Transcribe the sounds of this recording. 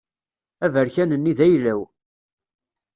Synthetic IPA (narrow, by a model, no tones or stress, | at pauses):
ævəɾçænənːiðæjlːæw